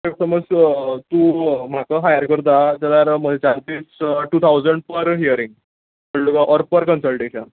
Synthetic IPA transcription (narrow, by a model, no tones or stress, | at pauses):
eksəməd͡zt̪ũːm̤akəɦajəɾkəɾt̪̬ad͡ʑəlaɾməet͡ɕalt̪iːsʈuːt̪ʰawd͡zəɳɖpəɾɦijəɾiŋɡ | əɭukaʔɔɾpəɾkənsəlʈeɕən